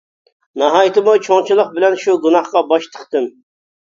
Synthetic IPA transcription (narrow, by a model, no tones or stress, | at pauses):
nɑɦɑjt̪ʰɨmut͡ʃʰoŋt͡ʃʰɨlˠəq̚bɪlɛnʃuɡunɑχqɑbɑʃt̪ʰə̥χt̪ɨm